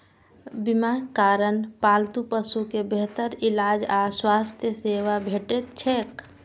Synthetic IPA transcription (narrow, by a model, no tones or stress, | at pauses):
bɪmakaːɾənpaːlt̪upəsukebeɦt̪əɾɪlaːd͡ʒaswaːst̪ʰjəseːwabʱeːʈet̪t͡ʃʰeːk